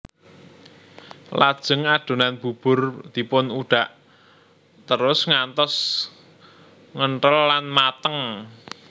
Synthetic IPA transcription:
lad̥ʒ̥ə̤ŋaɖ̪̥o̤nanb̥ub̥ʊ̤rd̪̥i̤pʊnuɖ̥a̤ʔ | t̪əɾʊsŋant̪ɔs | ŋəɳʈəlːanmat̪əŋ

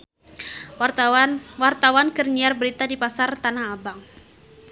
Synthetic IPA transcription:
wart̪awankərɲiarbəɾit̪adipasart̪anahabaŋ

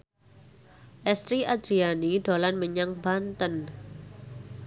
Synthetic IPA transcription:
ʔɛst̪ɾiʔad̪ɾianiɖ̥olanməɲaŋbant̪ən

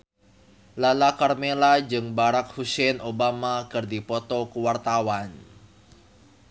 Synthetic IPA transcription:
lalakarmelad͡ʒɨŋbaɾak̚husɛnʔobamakɨrdipɔt̪ɔkuwart̪awan

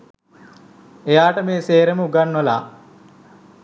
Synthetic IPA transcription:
ejaːʈəmeːseːɾeməuɡanːʋəlaː

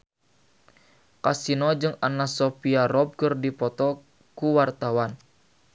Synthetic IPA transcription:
kasinɔd͡ʒɨŋanasɔpiaɾɔb̚kɨrdipɔt̪ɔ | kuwart̪awan

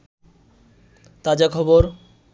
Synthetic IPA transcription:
t̪ad͡ʑakʰɔboɾ

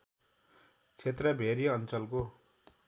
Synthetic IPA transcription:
t͡sʰet̪rʌbʱeɾiʌnt͡sʌlko

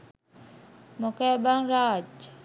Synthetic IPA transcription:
mokabaŋɾaːd͡ʒ

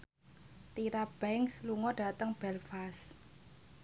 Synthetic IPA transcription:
t̪iɾab̥ɛŋksluŋɔɖ̥a̤t̪əŋb̥ɛlfas

